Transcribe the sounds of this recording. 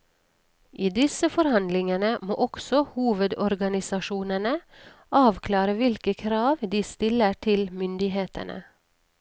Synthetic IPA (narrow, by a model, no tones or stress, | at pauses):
ʔiːd̪ɪsəfɔɾhɑnd̪lɪŋənəmo̰ːʔɔksɔhuːʋəd̪ɔɾɡɑnɪsɑʃuːnənə | ʔɑːʋkʰlɑːɾəʋɪlkəkʰɾɑːʋd̪iːst̪ɪləʈʰɪlmʏnd̪ɪheːt̪ə̰nʔə̰